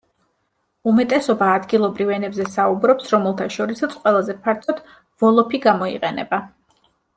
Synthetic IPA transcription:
umɛt̪ʼɛsɔbaːd̪ɡilˠɔbɾivɛnɛbzɛsaubɾɔpsɾɔmɛlˠt̪ʰaʃɔɾisat̪sʰqʼwɛlˠazɛpʰaɾt̪ʰɔt̪ | v̥ɔlˠɔpʰiɡamɔḭqʼɛnɛ̰ba

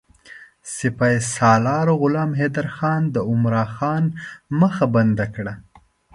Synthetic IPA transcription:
sɪpɑjsɑlɑɾoɣʊlɑːmɦed̪aɾxɑnd̪əʊmɾɑxɑnməxaband̪akɽa

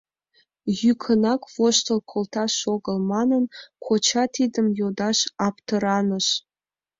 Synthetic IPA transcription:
jykʰə̆nɑkvoʃt̪olkʰolt̪ɑʃoɡə̆lmɑnənkʰot͡ɕɑt̪id̪əmjod̪ɑʃɑpt̪ɤ̆ɾɑnə̆ʃ

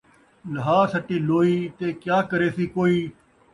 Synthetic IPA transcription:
ləɦaːsəʈiːloːiːt̪eːkjaːkəɾeːsiːkoːiː

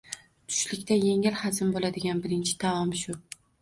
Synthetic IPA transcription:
t̪ʰʊ̥ʃlɪkʲt̪ʰaje̞ŋɪlhazɪmbolad̪ɪɡʲanbɪɾɪnt͡ʃʰɪ̥d̪aɒmʃʊ

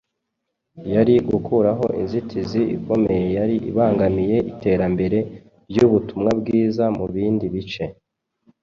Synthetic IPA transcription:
jaɾiɡukuɾaɦo̞ʔinzitʰiziḭko̞me̞je̞jaɾiʔḭβaːŋɡamije̞ʔite̞ːɾambe̞ɾe̞ | bjuβutumŋabɡiːzamuβiːndiβit͡ʃe̞

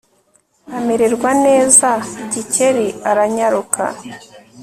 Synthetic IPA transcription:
ame̞ɾe̞ɾɡwane̞ːzaiɟice̞ɾiaɾaɲaɾukʰa̰

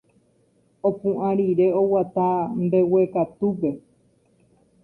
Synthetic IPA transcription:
opũʔãɾiɾe̞owat̪ambe̞wekat̪up̬e̞

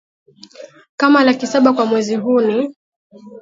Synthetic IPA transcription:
kamalakisaɓakwamwɛziɦuni

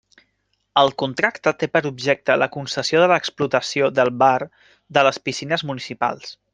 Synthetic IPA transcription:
əlˠkunt̪ɾakt̪ət̪epəɾubʒɛk̚t̪ələkunsəsioðələksplut̪əsioðəlˠβaɾ | d̪ələspisinəzmunisipa̰lˠs

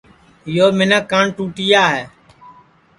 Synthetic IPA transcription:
ɪjoːmɪnəkːaːɳʈuːʈiːjaːɦɛː

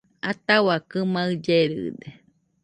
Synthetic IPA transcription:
at̪awakɨmaɯd͡ʒeɾɨ̰d̪e

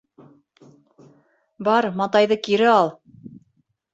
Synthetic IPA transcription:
bɑɾmɑt̪ɑjðɤkiɾɘɑlˠ

